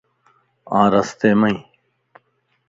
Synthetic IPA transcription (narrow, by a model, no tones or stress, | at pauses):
ãːɾɐst̪eːmɐĩ